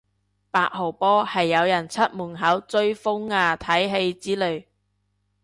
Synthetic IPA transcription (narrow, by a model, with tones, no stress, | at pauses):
paː˧k̚ho˨˩wpɔː˥hɐ˨jːɐ˨˧wjɐ˨˩nt͡sʰɐ˥t̚muː˨˩nɦɐ˨˥wt͡sɵ˧ɥfʊ˥ŋːaː˧t̪ʰɐ˨˥jɦe˧jt͡siː˨˥lɵ˨ɥ